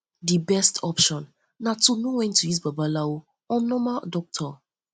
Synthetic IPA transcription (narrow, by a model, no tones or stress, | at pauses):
dibɛstʰɔpʃɔ̃nː | atonuwɛ̃ntʰːuis̬babalao | ɔ̃nɔmadɔk̚tʰɔ